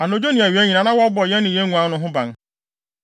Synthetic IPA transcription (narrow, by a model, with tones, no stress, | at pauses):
a˨no˨d͡ʑo˦nĩ˨æ˨ɥæ˦ɲĩ˨nã˨nã˦wa˦bɔ˨jɛ˦nɪ̃˨je˦ŋũ˨˦ã˦nʊ̃˦ɦʊ̃˦bã˨n